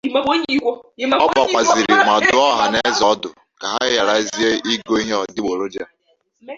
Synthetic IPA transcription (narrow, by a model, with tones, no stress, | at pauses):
i˨˦o˦ɲi˦kʷo˦˨˦ɔ˦a˨kʷa˨zi˨ɾi˨mʷa˨dʊ˦ɔ˦ɦa˨ne˦zɔ˨˦dʊ˨ | ka˨ɦa˦ja˨ɾa˨i˦zi˦e˦i˦ɡo˦i˦ɦe˦ɔ˨dɪ˦ɡ͡bo˨ɾo˦d͡ʒa˦